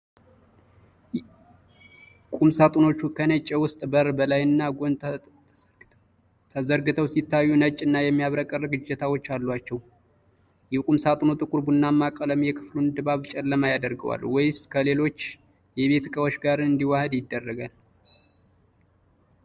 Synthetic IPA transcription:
kʼumsat̪ʼuno̞t͡ʃːukʰənət͡ʃʼːɛwʊst̪ʼbəɾbəlajɨnːaɡon | t̪ʰəzəɾɡɨt̪ʰəwsit̪ːajːunət͡ʃʼːɨnːajɛmːijaβɾəkʼərəɡɨd͡ʒːɛt̪ʰawo̞t͡ʃːalːwat͡ʃːɛw | jɛkʼumsat̪ʼunot̪ʼɨkʼuɾbunːamːakʼələmjɛkʰɨflunɨd̪ɨbaβt͡ʃʼɛlːəmajad̪əɾɡəwa̰lwɔjskʰəle̞lo̞t͡ʃː | jɛβe̞t̪kʼəwot͡ʃːɡaɾɨnd̪iwahəd̪jɪd̪ːərːəɡal

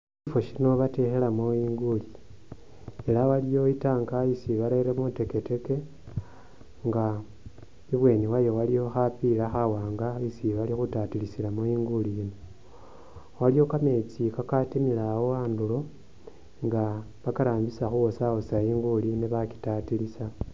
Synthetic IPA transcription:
ifo̞ʃino̞βate̞xelamoiːŋɡuli | elawalijo̞itaːŋɡaisiβalaiɾemute̞ke̞te̞ke̞ | ŋɡa | iβwe̞ːniwajo̞walijo̞xapilaxawaːŋɡaisiβalixutatilisilamoiːŋɡulijino | walijo̞kame̞t͡sikakatimilawoaːndulo̞ | ŋɡa | βakaɾaːmbisaxuwosawosaiːŋɡuliniβaki̥tatilisa

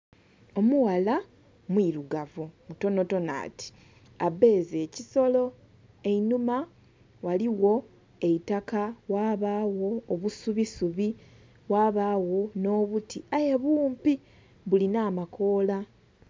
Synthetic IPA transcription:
o̞muwala | mwiɾuɡavomuto̞no̞to̞na̰ːtʰi̥ | abe̞ːzeːciso̞lo̞ | e̞inuma | waliwo̞ | e̞itakawaːβaːwo̞ːβusuβisuβi | waːβaːwo̞no̞ːβutiaje̞βuːmpi | βulinaːmako̞ːla

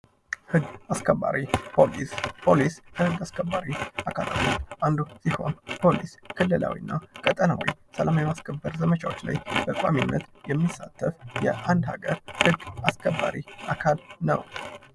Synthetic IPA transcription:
hɨɡːaskʰəba̰ɾipolpʰo̞liskʰəhɨɡːaskʰəbːaɾiʔakʰala̰moʔand̪usiho̞̰npʰo̞liskʰɨlːɨla̰wḭɨnːakʼət̪ʼənawḭsəlamawjɛmaskʰəbːəɾzəmət͡ʃʰawot͡ʃːla̰jbəkʼaminːət̪jɛmːisːat̪ʰːəfjɛ̰ʔand̪ha̰ɡəɾhɨɡːaskʰəbːaɾiʔakʰalnə̰w

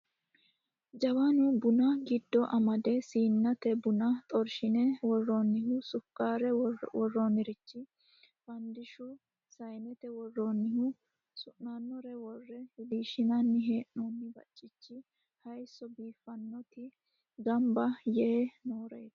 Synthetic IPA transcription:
d͡ʒɐwanʊbʊnɐɡɪd̪ːɔʔɐmɐd̪ɛsiːnːɐt̪ɛbʊnɐt̪ʼɔɾʃɪnɛwɔrːɔnːɪhʊsʊkːaːɾɛwɔrːɔnɪɾɪt͡ʃːɪ | fɐnd̪ɪʃʊ | sɐjnɛt̪ɛwɔrːonːɪhʊ | sʊnːanːɔɾɛwɔrːɛhɛd̪iːʃɪnɐnːɪɦe̞ːʔnonːɪbɐ̰t͡ʃʼːɪt͡ʃːɪ | hɐjsːɔbiːfːɐnːɔt̪ɪ | ɡɐmbɐjɛnoːɾɐjd̪

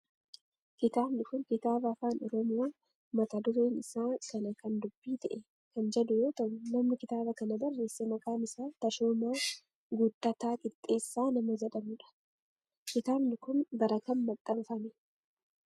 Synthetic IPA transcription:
kɪt̪aːbnɪkʊŋkɪt̪aːbɐːfaːnɔɾɔmʊ | mɐt̪ɐd̪ʊɾeːnɪsaːkɐnɐkɐnd̪ʊbːiːt̪ɐʔɛ | kɐnd͡ʒɛd̪ʊjoːt̪ɐʊnɐmnɪkɪt̪aːbɐkɐnɐbɐrːe̞ːsːemɐkʼaːmɪsaːnt̪ɐʃoːmaː | ɡʊt̪ːɐt̪aːkʼɪt̪ʼːe̞ːsːaːnɐmɐd͡ʒɐᶑɐmʊᶑɐ̥ | kɪt̪aːbnɪkʊnbɐɾɐkɐnmɐt̪ʼːɐbɐfɐmɛ̥

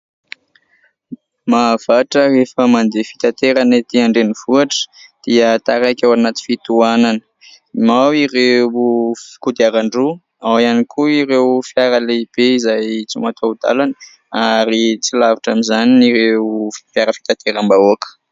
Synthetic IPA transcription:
mav̥aʈ͡ʂərefəmand̪efi̥t̪at̪eɾanet̪iaɳɖ͡ʐeniv̥uaʈ͡ʂə̥d̪̥iət̪aɾakʲawanat̪i̥fit̪uananə̥ | imawiɾe | fi̥kud̪iaɾaɳɖ͡ʐu | awianikʰuiɾewfjaɾəleib̥eizajt͡sṵmat̪ʰoud̪a̰lanə | aɾit͡silaviʈ͡ʂamizaniniɾefiaɾəfi̥t̪at̪eɾambaoakə̥

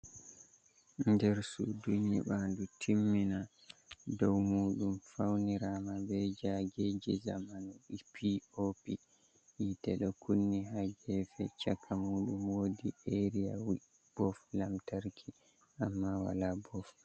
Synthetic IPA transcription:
ndɛɾsṵduɲːḭɓandutʰimːina | dɔwmuːɗumfawniɾamabɛd͡ʒaɡed͡ʒɛzamanɔipʰiopi | jitɛɗɔkunːiɦad͡ʒɛfɛ̰t͡ʃakʰːamuːɗumwoːdiʔeɾia̰wi | b̥ɔflamtaɾkʰi | ʔamːawa̰labɔf

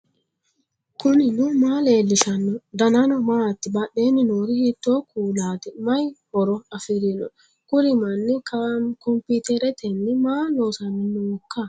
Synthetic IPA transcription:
kʊnɪnʊmaːleːlːɪʃɐnːɔd̪ɐnɐnɔmaːt̪ːɪbɐɗeːnːɪnoːɾɪhit̪ːoːkuːlaːt̪ɛmɐjhɔɾɔɐfɪɾɪnɔ̰ | kʊɾɪmɐnːɪkɐkɔmpit̪ɛɾɛt̪ɛnːɪmaːloːsɐnːɪnːʊwɔkːa

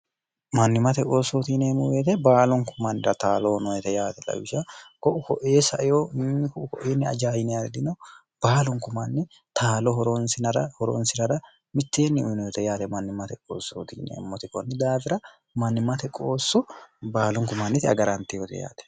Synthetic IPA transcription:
mɐnːɪmɐt̪ɛkʼoːsːoːt̪iːneːmːɔweːt̪ɛbaːlɔŋkʊmːɐnːɪɾɐt̪aːlonɔjɛt̪ɛjaːt̪ɛlɐ̰wɪʃɐkɔʔʊkɔʔeːsɐʔɛjoːnːɪkʊkɔʔeːnːɪɐ̰d͡ʒaːjɪnɛjad̪ɪnɔ | b̥aːlɔŋkʊmanːɪ | t̪ʰaːlɔɦɔɾɔnsɪnɐɾɐhɔɾɔ̰nsɪɾɐɾɐ | mɪt̪ːeːnːɪʊjnɔjɛt̪ɛjaːt̪ɛmɐnːɪmɐt̪ɛko̰ːso̰ːt̪ḭːnḛːmːɔt̪ɪkʼɔnːɪd̪aːfɪɾɐ | mɐnːɪmɐt̪ɛkʼoːsːɔbaːlɔŋkʊmːɐnːɪt̪ɪɐ̰ɡɐɾɐnt̪ɛjɔt̪ɛ̰ja̰ːt̪ɛ̥

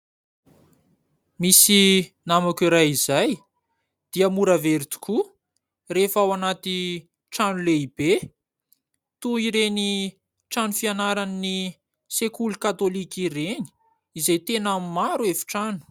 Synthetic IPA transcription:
misinamakiɾajizaj | d̪̥iəmuɾaveɾit̪u̥ku | refawanat̪i | ʈ͡ʂanuleibe | t̪uiɾeni | ʈ͡ʂanufianaɾanni | sekulukat̪olikireni̥ | izajt̪enammaɾuefi̥ʈ͡ʂanu̥

